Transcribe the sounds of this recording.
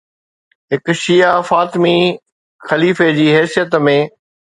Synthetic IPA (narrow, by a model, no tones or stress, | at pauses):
ɦɪkʃijafaːt̪mi | xɐliːfed͡ʑiːɦɛːsijət̪mẽː